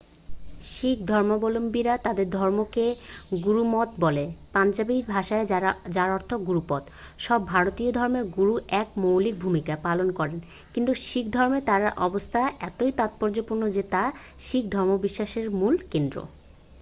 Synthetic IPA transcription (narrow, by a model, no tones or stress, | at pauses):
ʃik̚ʰd̪ʱɔɾmobolombiɾat̪ad̪eɾd̪ʱɔɾmokeɡuɾumɔt̪bɔlepand͡ʑabiɾbʱaʃaed͡ʑaɾɔɾt̪ʰoɡuɾupɔd̪ | ʃɔbːʱaɾot̪iod̪ʱɔɾmeɾɡuɾuʔɛkmowlik̚bʱumikaepalonkɔɾen | kint̪uʃik̚ʰd̪ʱɔɾmet̪aɾaʔɔbost̪ʰaeʔɛt̪oit̪at̪̚pɔɾd͡ʑopuɾnod͡ʑet̪a | ʃik̚d̪ʱɔɾmobiʃːaʃeɾmulkend̪ɾo̰